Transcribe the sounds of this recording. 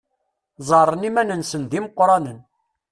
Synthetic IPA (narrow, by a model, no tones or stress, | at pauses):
zˤɑɾˤənimænənsənd̪iməqːɾˤɑnən